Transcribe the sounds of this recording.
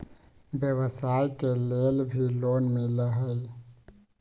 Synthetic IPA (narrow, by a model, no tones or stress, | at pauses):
bjəʋəsaːjkeleːlbʱiloːnmɪ̃laɦəj